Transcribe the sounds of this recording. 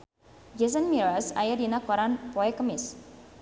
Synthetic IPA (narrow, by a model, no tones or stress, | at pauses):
d͡ʒes̬ənmiɾasa̰jadinakɔɾanpɔɛkəmɪs